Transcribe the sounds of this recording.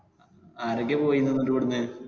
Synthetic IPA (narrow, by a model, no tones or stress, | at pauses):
aːɾok̬ːepo̞ːjunːɐnːoɾukɐɽuɲːɨ